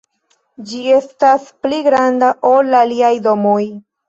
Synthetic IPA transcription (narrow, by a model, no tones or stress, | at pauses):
d͡ʒie̞staspliɡɾandaʔolaliajdo̞moj